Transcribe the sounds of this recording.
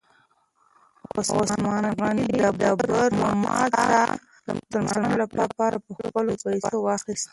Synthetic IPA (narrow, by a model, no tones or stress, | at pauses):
oswoslmɑnaɣɑnidabɑbaɾmamɑ̰ta | t̪əɾmʊsəlmnolapɑpɑɾapəxpəlopajsowɑxist̪